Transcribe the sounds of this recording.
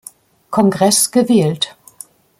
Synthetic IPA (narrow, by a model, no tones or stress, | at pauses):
kʰɔnɡʁɛsɡ̥əvɛːlt